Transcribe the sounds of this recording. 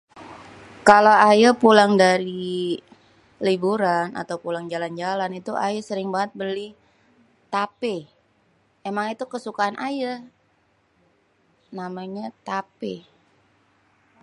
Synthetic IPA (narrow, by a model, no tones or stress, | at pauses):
kalawajapulaŋdaɾi | libuɾana̰t̪awpulaŋd͡ʒaland͡ʒalanit̪uʔajasəɾɪŋbaŋət̪̚bəli | t̪ape | emaŋit̪ukəsukaɦanʔaja | namaɲat̪ape